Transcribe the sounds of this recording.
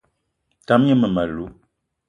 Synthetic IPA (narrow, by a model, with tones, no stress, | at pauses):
ta˨˦m˦jə˦mə˨ma˨lu˨˦